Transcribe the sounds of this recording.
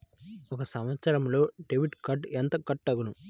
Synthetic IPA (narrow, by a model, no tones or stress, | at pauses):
ɔkɐsɐmʋɐt̪sɐɾɐmlo̞ːɖeʋiʈkɐʈent̪ɐkɐʈːɐɡunu